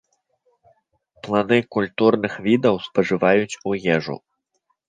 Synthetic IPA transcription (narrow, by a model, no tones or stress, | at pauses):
plˠanɨkulʲt̪urnɨxvʲid̪ɐwspɐʐɨvajut͡sʲujɛʐṵ